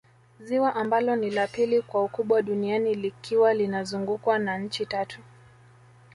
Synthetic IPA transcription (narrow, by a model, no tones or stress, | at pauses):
ziwaʔambalɔnilapilikwaukuɓwaɗunianilikʰiwalinazuŋɡukwanaɲ̩t͡ʃitatʰu